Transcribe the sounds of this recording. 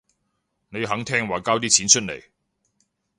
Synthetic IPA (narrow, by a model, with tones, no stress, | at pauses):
ne˨˧jɦɐ˨˥ŋt̪ʰɛː˥ŋwaː˨˩kaː˥wt̪̬iː˥t͡sʰiː˨˥nt͡ʃʰɵ˥t̚le˨˩j